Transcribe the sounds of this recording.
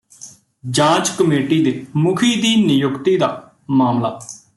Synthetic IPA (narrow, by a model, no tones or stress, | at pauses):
d͡ʒãːd͡ʒkəmeːʈiːd̪eːmʊkʰiːd̪iːnɪjʊkt̪iːd̪aː | maːmla̰ː